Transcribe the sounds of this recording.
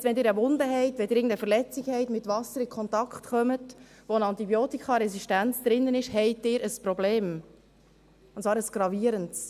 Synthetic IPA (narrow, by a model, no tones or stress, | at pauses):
stʋɛnd̪ɪːɾəʋʊnd̪əɦɛɪtvʋɛdɪɾɪːɡŋn̩dəfəɾlɛt͡sikhɛɪtmɪt̪vɑsəɾɪkʰχɔnt̪ɑkχtχœmət | ʋoənɑnt̪ibjoːtikχɑɾɛsiʃtænt͡sd̥̪ɾɪnːənɪʃhɛɪt̚dɪːɾəspɾɔbleːm | ʊntt͡svɑːɾəsɡ̥ɾɑviəɾənts